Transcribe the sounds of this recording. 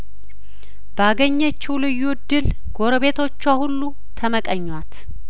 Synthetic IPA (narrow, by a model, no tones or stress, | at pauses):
bəaɡəɲːət͡ʃːulɨjːud̪ːɨl | ɡ̥o̞ɾəβe̞t̪ʰo̞t͡ʃːahulːu | t̪ʰəməkʼəɲːwat̪